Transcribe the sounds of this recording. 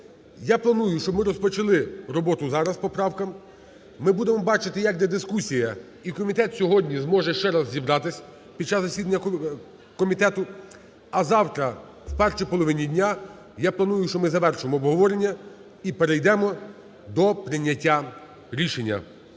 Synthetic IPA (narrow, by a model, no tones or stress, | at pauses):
japlˠɐnujʊʃt͡ʃɔbmɪɾɔspɔt͡ʃɐlˠɪɾɔbɔt̪ʊzɑɾɐspɔpɾɑwkɐmː | ɪbud̪emɔbɑt͡ʃɪt̪ɪjɐk̚d̪ʲɛd̪ɪskusʲijɐ | ikɔmʲit̪ɛt̪sʲɔɦɔdʲnʲizmɔʒɛʃt͡ʃɛɾɑzzʲibɾɑt̪ɪsʲɐ | pʲid̪̚t͡ʃːɑzːɐsʲid̪ɐnʲːɐ | kɔmʲit̪ɛt̪ʊ | ɐzɑwt̪ɾɐ | wpɛrʃijpɔlˠɔʋɪnʲidʲnʲa | japlˠɐnujʊʃt͡ʃɔmɪzɐʋɛrʃʊjemɔːbɦɔʋɔɾenʲːɐ | ipeɾejd̪ɛmɔ | d̪ɔpɾɪnʲːɐtʲːa | ɾʲiʃenʲːɐ̰